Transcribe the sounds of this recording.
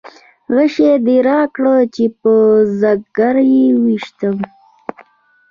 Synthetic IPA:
ɣəʃed̪iɾɑkɽot͡ʃepəzaɡ̚ɡaɾjewiʃt̪əm

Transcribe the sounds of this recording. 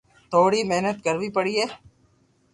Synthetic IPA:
t̪ʰoːɽimeɦnət̪kɐɾʋipɐɽieː

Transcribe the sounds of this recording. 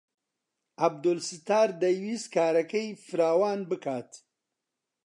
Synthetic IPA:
ɐb̚d̪olsɨt̪aːɾd̪ɐjwiːskʰaːɾɐkɐjfɨɾaːwaːnbɨkʰaːt̪

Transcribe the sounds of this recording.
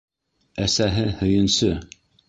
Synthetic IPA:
æsæɦɘhɵ̆jɘ̆nsɵ

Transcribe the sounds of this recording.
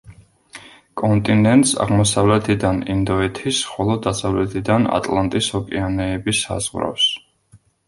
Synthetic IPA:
kʼɔnt̪ʼinɛnt̪ʼsa̰ʁmɔsavlɛt̪ʰid̪anind̪ɔɛt̪ʰisχɔlˠɔd̪asavlɛt̪ʰid̪ana̰t̪ʼlant̪ʼishɔkʼianɛːbisa̰zʁɾa̰fs

